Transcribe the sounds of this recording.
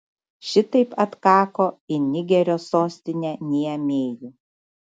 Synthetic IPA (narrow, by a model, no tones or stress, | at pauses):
ʃʲɪt̪ɐɪpɐt̪kɑːkoːɪnʲɪɡʲɛɾʲoːsoːsʲt̪ʲɪnʲɛnʲiɛmʲeːlʲu